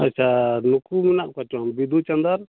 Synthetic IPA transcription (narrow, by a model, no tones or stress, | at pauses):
ətːʰanukuminaʔkɔt͡ʃɔnbid̪ʱut͡ʃɐnd̪əɾ